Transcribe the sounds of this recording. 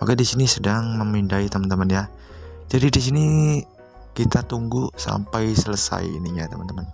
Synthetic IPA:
pa̰kadisinisədaŋməmindait̪əmənt̪əmənja | d͡ʒadidisini | kit̪at̪uŋɡusa̰mpajsələsa̰j̰ḭniɲat̪əmant̪əman

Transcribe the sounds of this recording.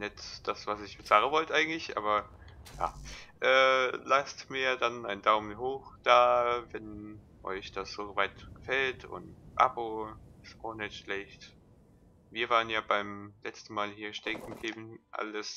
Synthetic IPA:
nɛtd̥asv̥asɪçb̥ət͡saːʁəvɔltəʔaɪɡŋ̩tlɪçʔa̰ːbɐja̰ːʔɛːlastmiːɐdanaɪndaʊmənɦoːχd̥aːvɛn | ʔɔ̰ʏçd̥asz̥oːvaɪtɡ̥əfɛltʰʊ̰ntʔa̰boɪstaʊxnɛtʃlɛçt | viːɐvaːʁənjaːbaɪmlɛt͡stn̩maːlhiːɐʃtɛkŋ̩ɡeːbn̩ʔa̰ləs

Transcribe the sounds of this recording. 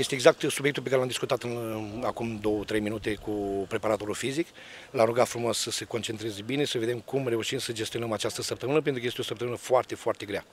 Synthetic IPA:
je̞st̪eːɡzak̚t̪subjekt̪ulpekaɾelamd̪iskut̪at̪ɨnakumd̪o̞wət̪ɾejminut̪e̞kupɾe̞paɾat̪o̞ɾulfizik | lamɾuɡat̪fɾumossəseko̞nt͡ʃe̞nt̪ɾezbine̞səve̞d̪e̞mkumre̞uʃimsəd͡ʒe̞st̪io̞nəmat͡ʃast̪əsəp̚t̪əmɨnəpent̪ɾukəjest̪eosəpt̪əmɨnəfoart̪e̞foart̪e̞ɡɾea̰

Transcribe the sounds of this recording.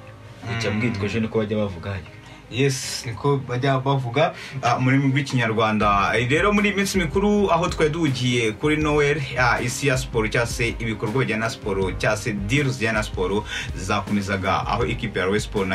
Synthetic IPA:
ucabɡiːtkoʒonikoβaɟaβavuɡahajo | jesnikoβaɟaβavuɡamunimibɡwiːciɲaɾɡwaːndaɾe̞ɾo̞muɾiːimiːnsimikuɾuaɦo̞tkweːduuɟije̞kuɾinoweɾaisijaspoɾocaːse̞ʔiβikoɾɡwaβɟanaspoɾocaːse̞diɾzɟanaspoɾozizako̞mezaɡa̰a̰ɦo̞ʔekipijaɾwespoɾna

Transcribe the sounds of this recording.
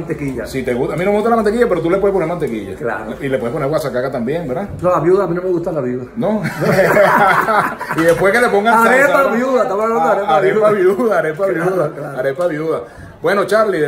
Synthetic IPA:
nt̪ekiʝasit̪eɣutaminomeust̪alamant̪ekiʝapeɾot̪ulepweeponeɾmant̪ekiʝa̰kla̰ɾilepweponewasakakat̪ambjeŋbeɾðaɾolaβjuðaːminomeɣust̪alaβjuðano | iðehpwe̞hkelepo̞ŋɡaaɾeeaβjuðak̪amooaɾeaɾepaβjuðaːɾepaβjuðaaɾepaβjuða | bwe̞no̞t͡ʃaɾliðe

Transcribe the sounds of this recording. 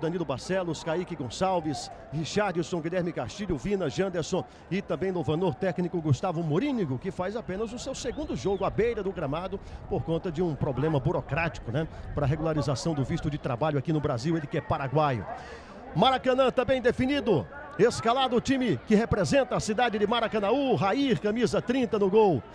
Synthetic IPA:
d̪ɐ̃nilʊbasɛlʊskaikɪɡõsawvɪshiʃaɾd͡ʒɪsõw̃ɡiʎɛɾmɪkast͡ʃiʎʊvĩnɐʒɐ̃nd̪eɾsõ | ɪt̪ɐ̃mbẽj̃lowvɐ̃noɾt̪ɛknikʊɡust̪avʊmoɾĩniɡʊkɪfajzapẽnɐzʊsewseɡũnd̪ʊʒoɡʊabejɾɐd̪ʊɡɾɐmad̪ʊpoɾkõnt̪ɐd͡ʒɪũpɾoblẽmɐbuɾokɾat͡ʃi̥kʊnɛpɾɐɦeɡulaɾizasɐ̃w̃d̪ʊvist̪ʊd͡ʒɪt̪ɾabaʎʊakinʊbɾaziwelɪkɪɛpaɾaɡwajʊ̰ | maɾakɐ̃nɐ̃t̪ɐ̃bẽj̃d̪efinid̪ʊ | eskalad̪ʊt͡ʃĩmɪkɪɦepɾezẽnt̪ɐasid̪ad͡ʒɪd͡ʒɪmaɾakɐ̃nauɦaiɾkɐ̃mizɐt̪ɾĩnt̪ɐnʊɡow

